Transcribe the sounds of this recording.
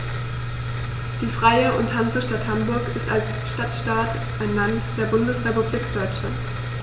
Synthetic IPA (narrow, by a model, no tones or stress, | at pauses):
d̥iːfʁ̥aɪəʔʊnthanzəʃtathambʊɐkɪstals | ʃtatʃtaːt | ʔaɪnlantd̥eːɐbʊndəsʁepubliːkd̥ɔʏt͡ʃlant